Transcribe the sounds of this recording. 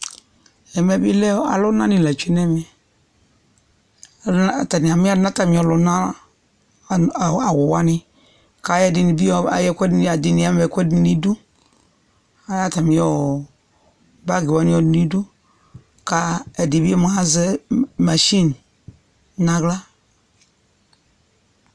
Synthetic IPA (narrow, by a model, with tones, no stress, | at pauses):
ɛ˨mɛ˨bi˦lɛ˦a̰˨lʊ˦nã˦nĩ˨la˨t͡ʃe˦nɛ˦mĩ˨˦˨ | ta˨ni˨a˨mi˦a˦nã˦ta˨mĩ˨ɔ˨lʊ˨˦nã˦˨ | a˨wʊ˨wa˦nɪ˦ | ka˨˦jɛ˦dɪ˨nĩ˨bi˦ɔ˦a˨jɛ˦kʷɛ˦da˨di˨nĩ˨˦a˦m˦˨ɛ˨kʷɛ˦di˨nĩ˦du˦ | a˨ja˦ta˨mĩ˨˦ɔ˦˨ | ba˦ɡe˨wa˦nĩ˦ɔ˨dni˦du˦ | ka˦ɛ˨di˨bi˦ɔ˦m˨a˦zɛ˦ma˨ʃi˦n | nã˦ɡla˦